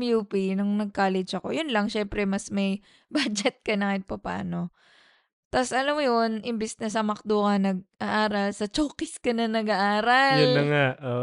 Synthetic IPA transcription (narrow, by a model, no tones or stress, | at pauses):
mjupinʊŋnɐɡ̚kaːlɛd͡ʒɐko̞̰jʊnlɐŋʃɛmpɾɛmɐsmɐj | baːd͡ʒɛt̪̚kɐnaːkɪt̪̚pɐpa̰ːno̞ | t̪asʔɐlamojonʔɪmbɪsnɐsɐmɐk̚d̪oːkɐnɐɡ̚ʔɐʔaːɾɐlsɐt͡ʃoːkɪskɐnɐnɐɡaʔaːɾɐlʊnɐŋaʔo